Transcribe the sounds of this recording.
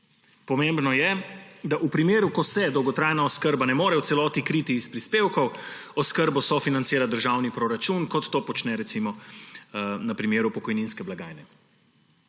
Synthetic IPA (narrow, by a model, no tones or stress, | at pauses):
pɔmembnɔjɛd̪aʔupɾimeːɾukɔsɛd̪ɔwɡɔt̪ɾajnaɔskəɾbanɛmoːɾɛwtsɛlɔːt̪ikɾiːt̪iːspɾispeːwkɔwɔskəɾbɔsɔfinant̪seːɾad̪əɾʒawnipɾoɾat͡ʃunkɔt̪ːoːpɔt͡ʃnɛɾɛt̪simɔ | nɐpɾimeːɾupɔkɔjninskɛblaɡajnɛ